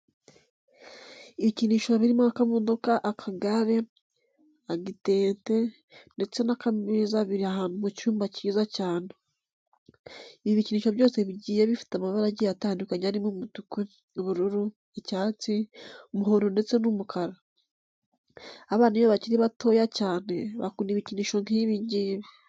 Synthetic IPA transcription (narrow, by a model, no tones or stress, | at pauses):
iβiciniːʃoβiɾimaakamuːndokaʔakʰaɡaɾe̞ | aɡite̞ːnte̞ | nde̞t͡se̞nakamizaβiɾiaɦaːnumucuːmbaciːzacaːne | iβiβiciniːʃo̞βjo̞ːse̞βiɟiːjeβifi̥tamaβaɾaɟijataːndukaɲaɾimumutukwe | βuɾuɾu | ecaːt͡siomuɦoɾonde̞t͡se̞numukʰaɾa | aβaːnijoβaciɾiβatʰo̞ːjacaːne̞βa̰kuːniβiciniːʃo̞ŋhiβiːɲɟiːβe